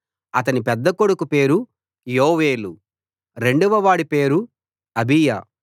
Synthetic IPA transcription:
ɐt̪̬ɐnipɛd̪ːɐko̞ɽukupe̞ːɾu | joːʋeːlu | ɾe̞ɳɖuʋɐʋaːɽipe̞ːɾu | ɐbijɐ̰

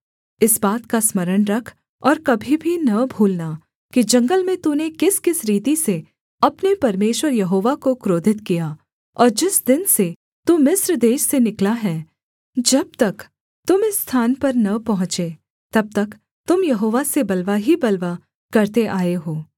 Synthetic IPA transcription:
ɪsbaːt̪kasmɐɾəɽ̃ɾɐkʰ | ɔːɾkɐbʱibʱinɐbʱuːlna | kid͡ʒɐ̃ŋɡəlmẽt̪unekɪskɪsɾiːt̪ise | ɐpnepɐɾmeːʃwəɾjɐɦoːʋakokɾoːd̪ʱɪt̪kija | ɔːɾd͡ʒɪsd̪ɪnse | t̪umɪsɾd̪eːʃsenɪklaɦɛː | d͡ʒɐb̚t̪ɐk | t̪ʊmɪsːt̪ʰaːnpɐɾnɐpɐɦʊ̃t͡ʃe | t̪ɐb̚t̪ɐk | t̪ʊmjɐɦoːʋasebɐlʋaɦibɐlʋa | kɐɾt̪eʔaːeɦoː

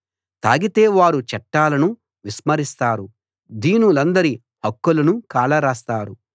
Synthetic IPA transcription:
t̪a̰ːɡit̪e̞ːʋaːɾut͡ʃɐʈːaːlɐnu | ʋismɐɾist̪aːɾu | d̪iːnulɐnd̪ɐɾi | hɐkːulɐnukaːlɐɾaːst̪aːɾu

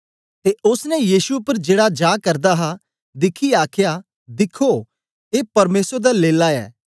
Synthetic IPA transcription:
t̪eʊsnɛjiːsupəɾd͡ʒeːɽad͡ʒaːkɐɾd̪aɦa | d̪ɪkʰiaːkʰja | d̪ɪkʰo | eːpɐɾmeːsɾd̪aleːlaɛ̰ː

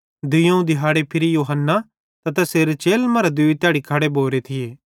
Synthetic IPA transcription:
d̪ʊjõũd̪ɪɦaːɽepʰɪɾijoːɦənːa | t̪ɐt̪ɐseːɾet͡ʃeːlmɐɾad̪ʊit̪ɪaːɽikʰaːɽeboːɾet̪ʰɪjeː

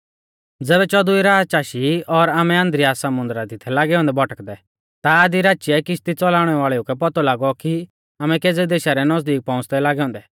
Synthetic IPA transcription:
d͡zɛːβɛt͡ʃɔd̪ʊiɾaːd͡zt͡ʃaːʃiɔɾaːmɛɐ̃nd̪ɾiaːsɐmʊ̃nd̪əɾad̪ɪt̪ʰɛlaːɡɛɔ̃ːnd̪ɛbʱɔʈəkd̪ɛ | t̪aːd̪iɾaːʃiɛkɪst̪it͡sɔlaːɽ̃ɛʋaːɭɛukɛpɔt̪ɔlaːɡɔki | aːmɛ̃keːd͡zɛd̪eːʃaɾɛnɔsd̪iːk̚pãʊ̃t͡sd̪ɛlaːɡɛɔ̃ːnd̪ɛ

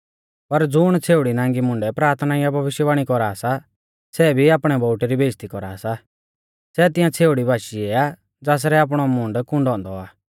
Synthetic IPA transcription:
pɐɾd͡zʊɽ̃t͡sʰeːuɽinãːŋɡimʊ̃ɳɖɛpɾaːɾt̪ʰnajabʱɐʋɪʃjəʋaːɽ̃ikɔɾaːsa | sɛbʱiaːpɽ̃ɛbɔːʈiɾibeːst̪ikɔɾa̰ːsa | sɛt̪ɪ̃jãt͡sʰeːuɽibʱaːʃiɛa | d͡zaːs̬ɾɛaːp̬ɽ̃ɔmʊ̃ɳɖkʊ̃ɳɖɔ̃ːnd̪ɔaː

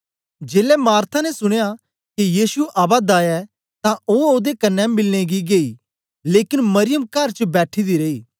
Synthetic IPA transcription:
d͡ʒeːlɛmaːɾt̪ʰanɛsʊɽ̃eja | kijiːsuʔaːbad̪aːjɛ | t̪ãʔoːoːd̪ekɐnːɛ̃mɪlneɡiɡeːiː | leːkɪnmɐɾɪjəmkɐɾt͡ʃəbɛːʈʰid̪iɾeiː

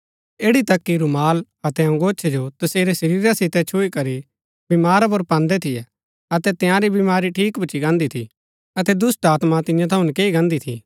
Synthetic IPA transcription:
eːɽit̪ɐkːiɾumaːl | ɐt̪ɛɐ̃ŋɡoːt͡ʃʰɛd͡ʒot̪ɐseːɾesɐɾiːɾasɪt̪ɛt͡ʃʰuikɐɾi | bɪmaːɾap̬ʊɾpãːnd̪ɛt̪ʰɪjɛ | ɐt̪ɛt̪ɪjãɾibɪmaːɾiʈʰiːkbʊt͡ʃiɡãːnd̪it̪ʰḭ | ɐt̪ɛd̪ʊsʈaːt̪mat̪ɪ̃jãt̪ʰɐʊ̃nkeːiɡãːnd̪it̪ʰḭ

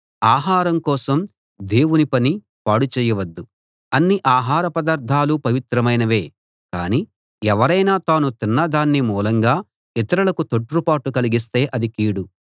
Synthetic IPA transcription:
aːɦaːɾɐmkɔːsɐm | d̪e̞ːwunipɐni | paːɽut͡ʃɛːjɐʋɐd̪ːu | ɐnːiʔaːɦaːɾɐpɐd̪aːɾd̪ʰʱaːlupɐʋit̪ɾɐmɐjnɐʋe̞ː | ka̰ːni | ɛʋɐɾɐjnaːt̪aːnut̪inːɐd̪aːnːimuːlɐŋɡaː | it̪ɐɾɐlɐkut̪oʈːɾupaːʈukɐliɡis̬t̪e̞ːʔɐd̪ikiːɽu

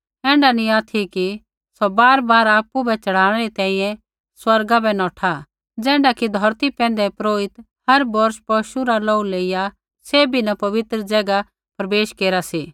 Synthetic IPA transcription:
ɛ̃ːɳɖanĩaːt̪ʰiki | sɔbaːɾbaːɾaːpːubɛt͡ʃɐɽ̤aːɽ̃ɛɾit̪ɛ̃ːĩjɛ̃ | swɐɾɡabɛnɔːʈʰa | d͡zɛ̃ːɳɖakid̪ʱɔɾt̪ipɛ̃ːn̆d̪ɛpɾoːɪt̪ | hɐɾbɔɾʃpɔʃuɾalɔːuleːɪja | sebʱinapɐʋɪt̪ɾəd͡ʒɐɡa | pɾɐbeːʃkeːɾasiː

